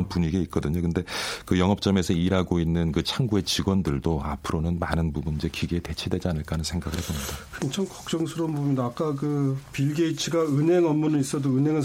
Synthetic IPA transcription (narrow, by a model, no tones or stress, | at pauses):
npuɲiɡeit̚k͈ʌdɯɲokɯnde̞kɯjʌŋɦʌp̚t͡ɕ͈ʌme̞sʰʌiɾɦaɡoinːɯnkɯt͡ɕʰaŋɡue̞t͡ɕiɡwʌndɯɭdoa̰pʰɯɾonɯnmanɯnpubunind͡ʑe̞kiɡiːte̞t͡ɕʰidwe̞d͡ʑianɯɭk͈anɯnsʰe̞ŋɡaɡɯɭhʰebomɲidakʰent͡ɕʰʌŋkʌk̚t͡ɕ͈ʌŋsʰɯɾʌnbomidaːk͈akɯpiɭɡe̞it͡ɕʰiɡaɯnɦe̞ŋʌmːunɯnis͈ʌdoɯnɦe̞ŋɯ